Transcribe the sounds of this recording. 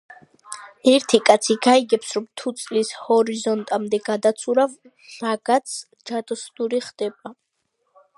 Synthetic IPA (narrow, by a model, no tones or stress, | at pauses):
ɛɾt̪ʰikʼat̪sʰiɡaiɡɛpsɾɔmt̪ʰut̪sʼlishɔɾizɔnt̪ʼamd̪ɛɡad̪at̪sʰuɾav | ɾaɡ̥at̪sʰ | d͡ʒad̪ɔsnuɾiχd̪̥ɛba